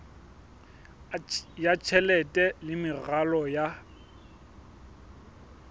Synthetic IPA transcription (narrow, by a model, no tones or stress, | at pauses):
jat͡ʃʰɛlɛtʼɛlɪmɪɣalɔja